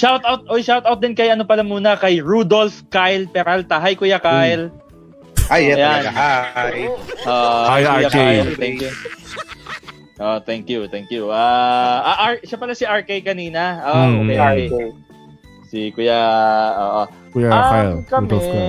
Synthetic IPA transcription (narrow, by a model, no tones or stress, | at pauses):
ʃawt̪ʔawt̪̚ʔojʃawt̪awt̚d̪ɪnkɐjɐnopɐlɐmuːnɐkɐjɹud̪olfkajlpɛɾalt̪ɐɦɐjkʊjakajl | ajjanajʔoːʔojkjakajlt̪ɛŋkjʊ | ʔoːʔot̪ɛŋkjʊt̪ɛŋkjuʔaʔaʔaɹʃapɐlasɪʔaɹkejkɐniːnɐʔoːʔʔoɛjʔokɛj | sikʊjaʔo̰ːʔo | kjaajlkɐmɛ